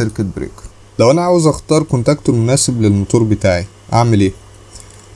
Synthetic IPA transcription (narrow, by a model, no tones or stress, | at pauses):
eɾket̪̚bɾḛːk | læwʔænæʕaːwezʔæxt̪ɑːɾˤkont̪ʔækt̪oɾmonæːseblelmot̪ˤuːɾbet̪aːʕi | ʔaʕmelʔeː